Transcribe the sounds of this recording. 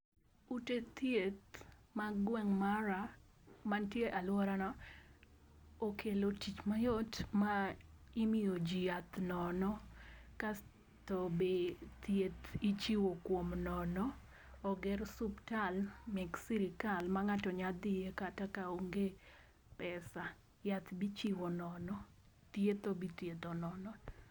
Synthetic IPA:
utet̪jet̪maɡwɛŋmaɾamantjeʔalwɔɾanɔ | okʰelotit͡ʃmajɔtmaimiod͡ʒiat̪nɔnɔka | tɔbet̪jet̪it͡ʃiwokwomnɔnɔ | ɔɡɛrsuptalmɛksiɾɪkalmaŋatɔɲad̪ɪjekatakaoŋɡe | pɛsa | jat̪bit͡ʃiwonɔnɔ | t̪jet̪obit̪jed̪ɔnɔnɔ

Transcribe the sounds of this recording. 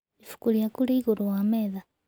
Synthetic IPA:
ifu̥kuliakuliːɣuɾuwameːða

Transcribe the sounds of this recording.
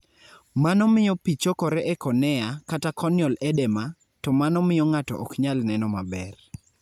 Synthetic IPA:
manɔmɪjɔpit͡ʃokɔɾɛʔɛkɔnɛakatakɔnjɔlɛdɛma | tɔmanɔmɪjɔŋatɔ̰ʔɔkɲalnɛnɔmabɛr

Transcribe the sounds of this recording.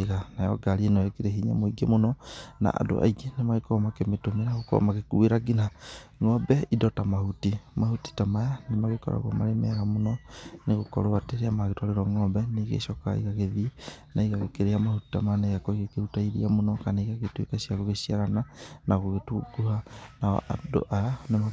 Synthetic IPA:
eɣanajɔ̰ɡaɾienɔekeɾeɦiɲa̰moiɡemonɔna̰ʔa̰do̰ʔa̰iɡenemaɣekomakemetomeɾaɣoko̰maɣekueɾaɡina | ŋɔbɛidɔtamahutimahuti̥tamajanemaɣekɔ̰ɾa̰ɣwa̰maɾemɛɾamonɔneɣokɔ̰ɾoateɾeamaɣetɔleɾɔŋɔbɛneɣḛʃɔkaḭɣaɣeðinaiɣaɣekeɾeamahuti̥tamanejakɔiɣekeɾutaiɾḭamonɔkaneɣaɣetwḛkasiakoɣesiaɾananaɣoɣetuɡuhana̰ʔado̰ʔanema

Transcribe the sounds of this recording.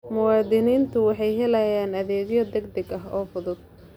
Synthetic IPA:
mʊwɑːd̪ɪniːnt̪ʰʊwɑħɑjɦɛlɐjaːnɐðɛːɡjɐd̪ɛɡd̪ɐɡɐɦɔːfʊðʊd̪̥̚

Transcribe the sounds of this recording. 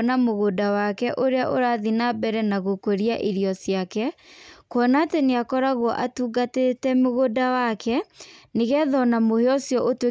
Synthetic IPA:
namoɣodawakɛʔoɾeaʔoɾaðinabɛɾɛnaɣokoɾiaʔiɾijɔsjakɛkwɔnaːteneakɔɾaɣwɔʔatuːɡatetɛmoɣodawakʰɛneɣɛðɔnamoheɔsjɔʔotwe

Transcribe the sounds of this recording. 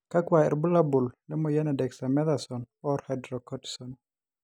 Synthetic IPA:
kakwaɛ̰ɾbulabullɛmɔjɛnɛdɛksamɛðasɔn | ɔɾhadɾɔkɔti̥sɔn

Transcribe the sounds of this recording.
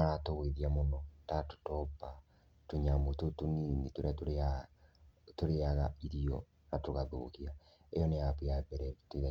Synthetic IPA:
atoweðiamonɔtato̥tɔpa | toɲamototoninitoɾeatoɾea | toɾeaɣaiɾiɔ | natoɣaðo̰ɣia | ejɔneapejabɛɾɛtoeɾa

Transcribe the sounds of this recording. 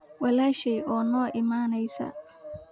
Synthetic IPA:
wɐlaːʃɛjʔɔːnɔːʔɪmaːnɛjsɐ̰

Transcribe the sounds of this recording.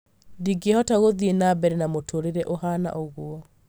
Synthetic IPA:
diɡehɔtaɣoðienabɛɾenamotʰoɾeɾɛʔoɦana̰ʔoɣwɔ

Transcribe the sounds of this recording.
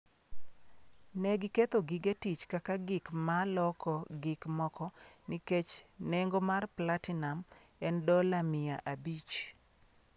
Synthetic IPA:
nɛɡɪket̪oɡɪɡetit͡ʃkakaɡɪkmalɔkɔɡɪkmɔkɔniket͡ʃneŋɡomarplatɪnamɛndɔlamɪjaʔabit͡ʃ

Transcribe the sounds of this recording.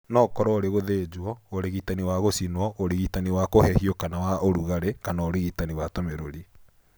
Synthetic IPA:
nɔːkɔɾɔoɾeɣoðeːd͡ʑwɔoɾeɣitaniwaɣosinwɔʔoɾeɣitaniwakohɛhiɔkanawaoɾuɣaɾekanaoɾiɣitaniwatomeɾoɾi

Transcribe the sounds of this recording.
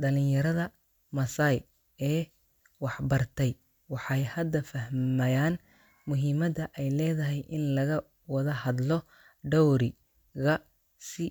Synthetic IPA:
ɖɐlɪnjɐɾɐðɐ | mɐsɐj | ɛː | wɑħbɐrt̪ʰɛj | wɑħɑjhɐd̪ɐfɐɦmɐjaːn | mʊɦimɐd̪ɐʔɛjlɛːðɐɦɛjʔɪnlɐɣɐ | wɐðɐhɐd̪lɔ | ɖɔwɾɪ | ɣɐ | sɪ

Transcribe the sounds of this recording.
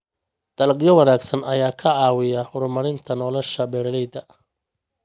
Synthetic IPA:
d̪̥ɐlqʼjɔwɑnaːɡsɐnɐjaːkʰɐʕɑːwɪjɐhʊɾmɐɾɪnt̪ʰɐnɔlɔʃɐbɛɾɐlɛjd̪ɐ

